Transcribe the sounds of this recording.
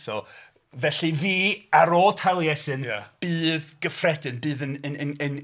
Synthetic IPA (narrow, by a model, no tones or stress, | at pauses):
sɔ | vɛɬɨðiːaɾotʰalˠjɛsɨnb̥ɨːðɡ̥əfrɛdɨnbɨːðənənənən